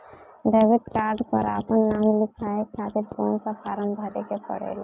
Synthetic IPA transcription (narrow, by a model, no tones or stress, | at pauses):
ɖeːʋɪʈkaːɾɖpə̰ɾa̰ːpənːaːmlɪkʰaekʰaːt̪ɪɾkɔːnsapʰaːɾəmbʱəɾekepə̰ɽ̤ḛːla